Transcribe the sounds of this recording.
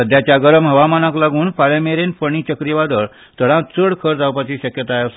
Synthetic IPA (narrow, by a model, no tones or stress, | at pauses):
əd̪ʱjat͡ɕjaɡəɾəmɦəʋamanaklaɡuːnfalameɾenpəɳ̃it͡ɕəkɾiʋad̪əɭ | t̪əɽãt͡səɽkʰəɾd͡zawpat͡ɕiːɕəkjət̪ajas